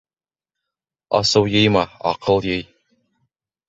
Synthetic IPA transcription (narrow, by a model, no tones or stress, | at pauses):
ɑ̰sɤwjɤjmɑɑ̰qɤlˠjɤj